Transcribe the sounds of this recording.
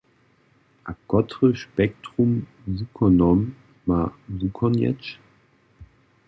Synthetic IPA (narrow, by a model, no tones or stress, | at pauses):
ʔakɔtʁəʃpɛk̚tʁ̥ʊm | zukʰɔnɔm | mazukʰɔnjɛ̰t͡ʃ